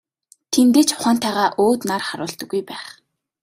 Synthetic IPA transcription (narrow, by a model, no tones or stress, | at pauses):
t̪ʰent̪eːt͡ɕʰʊ̥χaːnt̪ʰæːʁaːʔoːt̪narχaɾʊːɬt̪ə̆ɡːujpæːχ